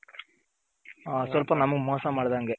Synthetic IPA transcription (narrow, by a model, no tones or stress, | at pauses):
sʋɐlpɐnɐmɐɡmɔːsɐmaːɽd̪aːŋɡe